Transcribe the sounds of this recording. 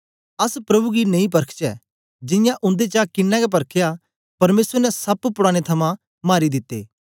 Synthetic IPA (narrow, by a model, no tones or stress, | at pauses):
ɐspɾɐbuɡinɐ̃ĩp̬ɐɾkʰt͡ʃɛ̰ː | d͡ʒɪ̃jãʔʊ̃nd̪et͡ʃakɪnːɛɡɛp̬ɐɾkʰja | pɐɾmeːsəɾnɛsɐppʊɽaːɽ̃et̪ʰɐmã | maːɾid̪ɪt̪ːḛː